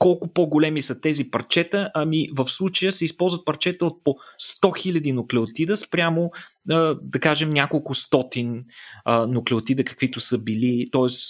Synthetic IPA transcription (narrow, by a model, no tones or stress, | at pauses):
kɔlˠkʊpoɡolɛmisɐt̪ɛzipɐɾt͡ʃɛt̪əʔɐmivəfslˠut͡ʃəjəsɛispɔlˠzvət̪̚pɐɾt͡ʃɛt̪əot̪̚post̪ɔxilʲɐd̪inʊklɛʊt̪id̪əspɾʲamoəd̪ɐkaʒɛmnʲakolˠkʊst̪ɔt̪inənʊklɛot̪id̪əkɐ̥kv̥it̪ʊsəbilit̪ɔɛs